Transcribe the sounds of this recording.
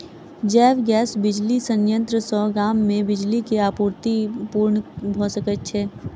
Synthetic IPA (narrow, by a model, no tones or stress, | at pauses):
d͡ʒɛːʋɡɛːsbɪd͡ʒlisə̃njə̃nt̪ɾəsɔːɡɾaːmːẽbɪd͡ʒlikeaːpuːɾt̪ipuːɾɳbʱosəkət̪̚t͡ʃʰɛː